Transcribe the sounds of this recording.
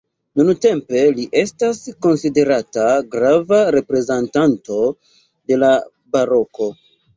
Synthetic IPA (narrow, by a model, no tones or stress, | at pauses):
nunute̞mpe̞liʔe̞stasko̞nside̞ɾataɡɾavaɾe̞pɾe̞zantanto̞ | de̞la | baɾo̞ko̞